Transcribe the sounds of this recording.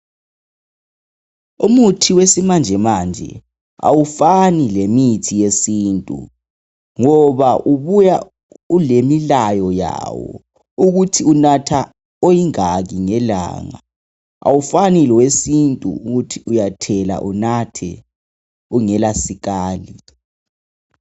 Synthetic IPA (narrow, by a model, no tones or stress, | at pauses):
umutʰiwesimand͡ʒʱɛmand͡ʒʱɛ̰ | a̰wufanilemitʰijesiːntʼṵ | ŋɔβaʔuβuja | ulemilajɔja̰wɔ̰ | uɣutʰiunatʰa | ojiŋaɣiŋɛla̰ːŋa̰ | a̰wufanilwesintʼṵuɣutʰiʔujatʰɛla̰ʔunatʰɛ̰ | uŋɛlasiɣaːli